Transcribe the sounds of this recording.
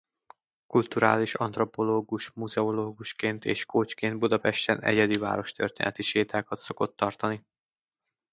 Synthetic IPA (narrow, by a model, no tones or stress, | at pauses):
kult̪uɾaːliʃɒnt̪ro̞po̞loːɡuʃmuzɛoloːɡuʃkeːnt̪ḛːʃkoːt͡ʃkeːnd̪̚bud̪ɒpɛʃt̪ɛnɛ̰ɟɛd̪iva̰ːɾo̞ʃt̪ø̰rt̪ḛːnɛt̪iʃeːt̪aːkɒt̪so̞ko̞t̪ːɒrt̪ɒni